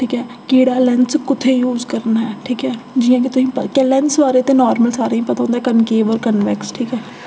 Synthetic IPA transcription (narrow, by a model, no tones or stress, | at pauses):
ʈʰiːkɦɛː | keːɽaːlɛ̃nskʊt̪ʰːejuːzkəɾnaɦɛːʈʰiːkɦɛːd͡ʒɪjãːk̬it̪ʊsĩːpəkɛlɛnsʋaːɾet̪eːnɔːɾməlsaːɾaĩpət̪aõːnd̪aɦɛkənkeːbɔːɾkənʋɛksʈʰiːkɦɛː